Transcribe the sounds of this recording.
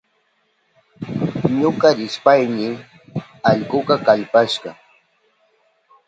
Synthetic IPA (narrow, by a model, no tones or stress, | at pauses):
ɲoɢɑɾɪspajnɪ | ɑʎɢʊqɑkaʎpaʃɢɑ